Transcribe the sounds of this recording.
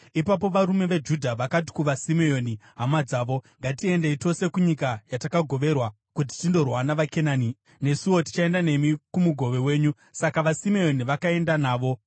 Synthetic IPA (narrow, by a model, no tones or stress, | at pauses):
ipap̬o̞ʋaɾume̞ʋed͡ʒudʱaʋakat̬i̥kuʋasimeo̞ːniɦamad͡zaːʋo̞ŋɡatie̞nde̞ito̞se̞kuɲikajatakaɡʱo̞ʋe̞rwa | kut̬i̥tindo̞rwanaʋake̞naːni | ne̞siwo̞ti̥t͡ʃae̞ndane̞mikumuɡʱo̞ʋe̞we̞ːɲu | sakaʋasimeo̞niʋakae̞ndanaːʋo̞